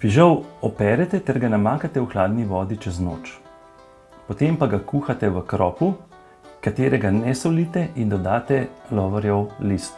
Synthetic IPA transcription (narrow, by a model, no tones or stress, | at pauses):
piʒɐwɔpɛːɾɛt̪ɛt̪ɛɾɡanamaːkat̪ɛuxlaːd̪niʋɔːd̪it͡ʃɛzno̰ːt͡ʃ | pɔt̪empaɡakuːxat̪ɛʋəkɾɔːpu | kat̪eːɾɛɡanɛsɔliːt̪ɛʔind̪ɔd̪aːt̪ɛlɔːʋɔɾjɛwlist̪